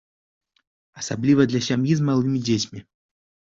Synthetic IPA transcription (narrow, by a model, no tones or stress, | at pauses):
ɐsablʲivɐd̪lʲɐsʲamjizmalˠɨmʲid͡zʲet͡sʲmʲi